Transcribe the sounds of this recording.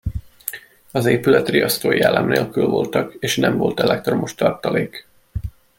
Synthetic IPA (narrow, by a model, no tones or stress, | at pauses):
ɒzeːpylɛt̪riɒst̪oːjɛlːɛmneːlkylvo̞lt̪ɒkeːʃnɛmvo̞lt̪ɛlɛk̚t̪ro̞moʃt̪ɒrt̪ɒleːk